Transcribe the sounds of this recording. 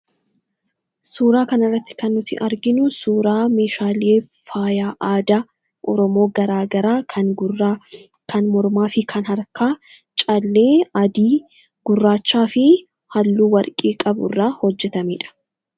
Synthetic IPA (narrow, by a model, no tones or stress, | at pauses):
suːɾaːkɐnɐrːɐt̪ːɪ̥kɐnːʊt̪ɪ̰ʔɐɾɡɪnʊsuːɾaːmeːʃaːleː | faːjaːʔaːd̪a | ʔɔɾɔmo̞ːɡɐɾaːɡɐɾaːɡ | kʰɐnmɔɾmaːfɪkʰɐnɦɐɾkaː | t͡ʃʼɐlːeːɐd̪iː | ɡ̥ʊrːaːt͡ʃːaːfɪ | hɐlːuːwɐɾkʼiːkʼɐbʊ̰rːaːhɔd͡ʒːɛt̪ɐmeːᶑɐ̥